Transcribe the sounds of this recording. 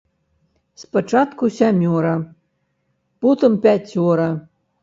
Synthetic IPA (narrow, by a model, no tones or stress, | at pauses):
spɐt͡ʂat̪kusʲamʲɔɾɐ | pɔt̪ɨmpʲat͡sʲːɔɾɐ